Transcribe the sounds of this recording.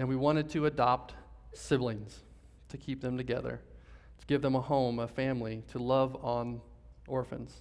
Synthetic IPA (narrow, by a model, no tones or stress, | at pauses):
ɨ̃nwiwɑ̃ɾ̃ɨd̚tʰɨːdɑp̚t̚sɪvlˠĩnz̥ | tʰɨkʰip̚ðɨ̃mtɨɡɛðə̰˞ | tʰəɡ̥ɪvðə̃məhõʊ̃məfæ̃mliɾʰəlʌvn̩ʔɔɹfɨ̰̃nz̥